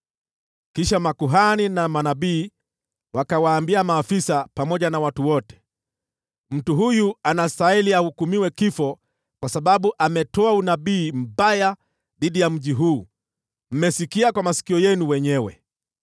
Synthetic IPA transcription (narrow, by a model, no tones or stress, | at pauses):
kiʃamakuɦaninamanaɓiː | wakawaːmbiamaːfisapamɔʄanawatuwɔtɛ̥ | m̩tuɦujuanastaɛliahukumiwɛkifɔ | kwasaɓaɓuʔamɛtɔaunaɓiːm̩ɓaja | ðiɗijam̩ʄiɦuː | m̩mɛsikiakwamasi̥kiɔjɛnuwɛɲɛwɛ̰